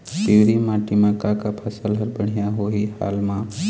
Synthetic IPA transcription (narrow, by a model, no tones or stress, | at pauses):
t̪iwɾimãːʈimãkakapʰasəlɦəɾbəɽ̤ijaɦoɦiha̰ːlmã